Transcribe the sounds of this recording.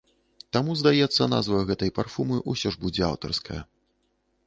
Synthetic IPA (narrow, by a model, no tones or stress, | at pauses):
t̪amuzd̪ajɛt̪sːɐna̰zvɐɣɛt̪ɐjparfumɨʔusʲɔʐbud͡zʲɛa̰wt̪ɐrskɐjɐ